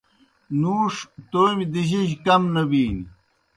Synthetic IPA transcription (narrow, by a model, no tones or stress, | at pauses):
nuːʂt̪oːmid̪iʑiʑkɐmnɐbiːni